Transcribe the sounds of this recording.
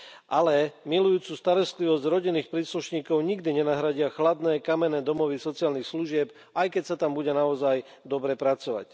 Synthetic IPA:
ʔalɛmilujuːt͡suːst̪aɾɔst̪liʋɔzɟɾɔɟinːiːxpɾiːsluʃɲiːkɔʊɲiɡd̪iɲɛnaɦɾaɟɪaxlad̪nɛːkamɛnɛːd̪ɔmɔʋisɔt͡siaːlnixsluʒɪɛp | ajkɛcsat̪ambuɟɛnaɔzaj | d̪ɔbɾɛpɾat͡sɔʋa̰c

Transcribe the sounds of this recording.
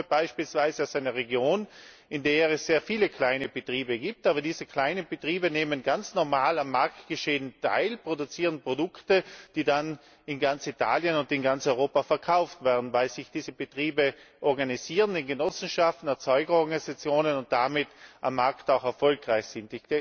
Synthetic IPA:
əb̥aɪʃpiːlsv̥aɪzəaʊsaɪnɐʁeɡjoːn | ɪndeːɛsz̥eːɐfiːləkʰl̥aɪnəb̥ətʁ̥iːbəɡiːp̚tʔaːbɐdiːzəkʰl̥aɪnənb̥ətʁ̥iːbəneːmənɡant͡snɔʁmaːlamːaɐktɡ̥əʃeːəntʰa̰ɪlpʁ̥odut͡siːʁənpʁ̥odʊktəd̥iːdan | ɪnɡant͡sitʰa̰ːljənʊntɪnɡant͡sɔʏʁoːpafɛɐkʰaʊftv̥ɛɐdn̩vaɪlz̥ɪçd̥iːzəbətʁ̥iːbəʔɔʁɡaniziːʁənɪnɡənɔsn̩ʃaftn̩ɛɐt͡sɔʏɡɐɔʁɡanizat͡sjoːnənʊnt̚d̥amɪtʔa̰mːaɐktaʊxɛɐfɔlkʁaɪçz̥ɪntɪçd̥e

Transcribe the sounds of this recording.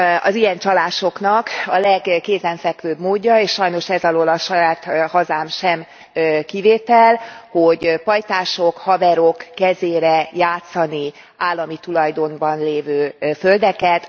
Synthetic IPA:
ɒ̰zijɛnt͡ʃɒlaːʃo̞knɒkɒlɛɡːeːzɛɱfɛkʋøːbmoːɟːɒeːʃʃɒjno̞ʃɛzɒloːlɒʃɒjaːt̪hɒzaːmʃɛm | kiveːt̪ɛlhoɟpɒjt̪aːʃo̞khɒbɛɾo̞kːɛzeːɾɛjaːt̪sɒni | aːlːɒmit̪ulɒjd̪o̞nbɒnleːvøːføld̪ɛkɛt̪

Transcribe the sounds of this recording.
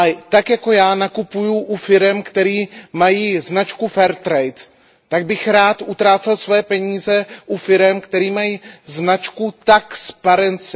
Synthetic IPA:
at̪akjako̞jaːnakupujuʔufɪɾɛmkt̪ɛɾiːmajiːznat͡ʃkufɛɾt̪ɾɛjt̪ː | aɡ̚bɪxɾaːt̪ʔut̪ɾaːt͡sɛlsvojɛpɛɲiːzɛʔufɪɾɛmkt̪ɛɾiːmajiːznat͡ʃkut̪akspaɾɛnt͡sɪ

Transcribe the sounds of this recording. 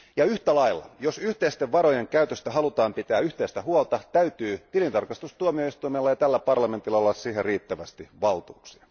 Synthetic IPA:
jɑyht̪ælɑilːɑ̰josyht̪eist̪eʋʋɑɾojeŋkæyt̪øst̪æhɑlut̪ɑːmpit̪æːyht̪eist̪æhuɑlt̪ɑt̪æyt̪yːt̪ilint̪ɑrkɑst̪ust̪uomio̞ist̪uijmelːɑjɑt̪ælːæpɑrlɑme̞nt̪ilːɑolːɑssiːherriːt̪ːæʋæst̪iʋɑlt̪uːksiɑ

